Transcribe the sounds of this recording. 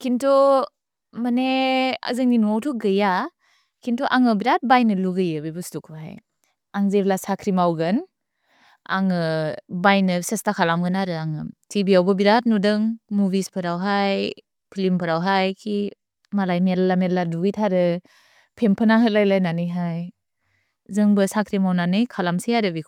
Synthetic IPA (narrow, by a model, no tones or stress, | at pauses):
kʰintʰɔ | manea̰zɯŋninuawtʰɔɡɯja | kʰintʰuʔaŋɯbiɾat̚bajnɯluɡɯjɯbɯbɯstukʰɦa̰j | aŋzelasakʰɾimawɡɯn | a̰ŋɯbajnɯsestakʰalamɡɯnaɾɯaŋɯtʰibiawbɯbiɾat̚nudɯŋmubispʰɯɾawɦaj | pʰilimpʰɯɾawɦajkʰi | malajmeɾlːameladuɡɯjtʰaɾɯ | pʰempʰɯnaɦɯlajlajnanɯjɦaj | zɯŋbɯsakʰɾimawnanɯjkʰalamsiaɾɯbi